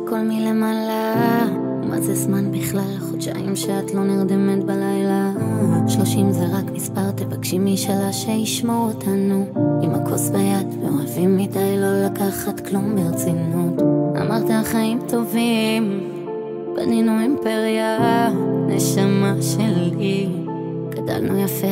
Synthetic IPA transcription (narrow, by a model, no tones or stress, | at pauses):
ko̞lmilemala | mʔa̰zezmanbiχlalaχodʃa̰imʃeatlo̞neʁd̪emetbalajlaʃloʃimzeʁakmispaʁt̪evakʃimiʃalaʃejiʃmootʰanuimakʰo̞sbajadvḛo̞avimːidajlo̞lakaχatklumbeʁet͡sinutʔa̰maʁtaaχaimtʰovim | b̥a̰ninuimpeʁja | neʃamaʃeli | ɡ̥ada̰lnujafe